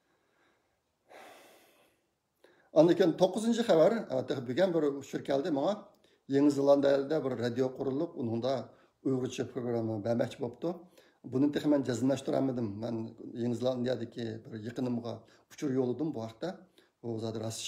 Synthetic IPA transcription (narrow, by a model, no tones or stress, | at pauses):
ɑnd̪ɪkʲint̪ʰoqːʊzɨnt͡ʃʰiχævæɾɑ̰t̪ːɨqbyɡʲɛnbɪɾut͡ʃʰuɾkʲʰɛld̪ɪmɑŋɑ | jeŋɨzɨlˠɑnd̪ɑjlˠɪd̪ɛbɪɾːɑd̪ijoqʰʊɾulˠːʊqunɨŋd̪ɑ | ujʁʊt͡ʃʰipʰɾoɡɾɑmːɨbɛmɛk̚ʲt͡ʃʰibopt̪u | bunɨŋt̪ʰeχmɛnd͡ʒɛzɨmlˠɑʃt̪uɾɑ̰mɨd̪ɨmːɛnjeŋɨzlˠɑnd̪ijɑd̪ɪkʲʰibɪɾjeqənɨmʁɑ̰ | ut͡ʃʰuɾjolˠɨd̪ɨmbuhɑqt̪ːɛ | buzɑd̪ɨɾɑsʃ